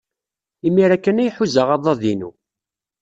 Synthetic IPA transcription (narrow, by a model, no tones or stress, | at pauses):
imːiɾækːənæjħuzəʁɑðˤɑðinṵ